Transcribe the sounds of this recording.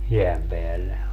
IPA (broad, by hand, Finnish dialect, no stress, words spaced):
jeæm peælːe